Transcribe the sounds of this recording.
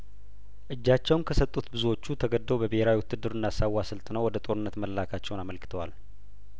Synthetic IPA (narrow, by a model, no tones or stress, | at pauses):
ʔɨd͡ʒːat͡ʃːɛwnkʰəsət̪ʼːut̪bɨzuwo̞t͡ʃːut̪ʰəɡəd̪ːəwbəbeheɾawiwʊt̪ːɨd̪ːɨɾɨnːasawːasɨlt̪ʼnəwɔd̪ət̪ʼo̞ɾɨnːət̪məlːakʰat͡ʃːɛwnaməlkɨ̥t̪ʰəwa̰l